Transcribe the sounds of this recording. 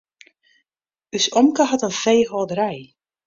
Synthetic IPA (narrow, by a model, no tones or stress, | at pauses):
ysɔmkəɦɑtənfejɦɔːdəɾɛj